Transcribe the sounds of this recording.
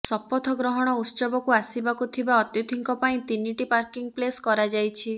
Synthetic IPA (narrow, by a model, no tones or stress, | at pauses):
sɔpːɔt̪ʰɔɡɾɔɦɔɽ̃ɔut̪sɔbɔkuasibakut̪ʰibaɔt̪jut̪ʰiŋkɔpaĩt̪iniʈipaɾkiŋpleskɔɾad͡ʒajt͡ʃʰi